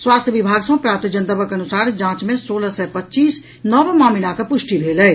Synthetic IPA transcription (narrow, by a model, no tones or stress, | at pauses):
swaːst̪ʰjəʋɪbʱaːɡsõpɾaːp̚t̪id͡ʒənt̪əbəkɐnʊsaːɾd͡ʒãːt͡ʃmẽsoːləsɛpɐtːt͡ʃiːs | nɔːbmaːmɪlãkəpʊʃʈibʱeːləe